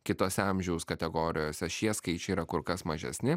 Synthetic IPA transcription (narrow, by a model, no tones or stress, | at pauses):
kʲɪt̪oːsʲɛɐmʲʒʲɛʊskɐt̪ʲɛɡoːɾʲɪjoːsʲɛʃʲiɛskɐɪt͡ʃʲɛiːɾɐkʊɾkɐsmɐʒʲɛ̰sʲnʲɪ